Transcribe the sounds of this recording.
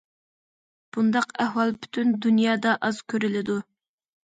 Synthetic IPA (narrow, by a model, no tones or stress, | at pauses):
b̥und̪ɑqæhwɑlˠpʰy̥t̪ʰynd̪unjɑːd̪ɑʔɑz̥kʲʰøɾylɪd̪u